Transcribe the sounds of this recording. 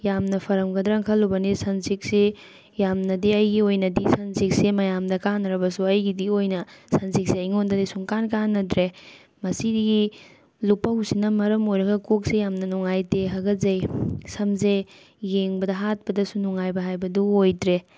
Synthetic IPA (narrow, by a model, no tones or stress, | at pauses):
jamnɐpʰɐɾɐmɡɐdɾɐŋkʰɐlːubɐnisɐnsik̚si | jamnɐdiɐjɡiojnɐdisɐnsik̚semɐjamdɐkanːɐɾɐbɐsuɐjɡidiojnɐsɐnsik̚siɐjŋondɐdisuŋkankanːɐdɾe | mɐsidiɡi | lupːɐhusinɐmɐɾɐmojɾɐɡɐkok̚sejamnɐnuŋajteɦɐɡɐzɐjsɐmze | jeŋbɐdɐɦat̚pɐdɐsunuŋajbɐɦajbɐduojtɾe